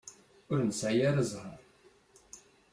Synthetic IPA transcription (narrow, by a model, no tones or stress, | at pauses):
ʊɾnsʕjaɾəzˤhəɾˤ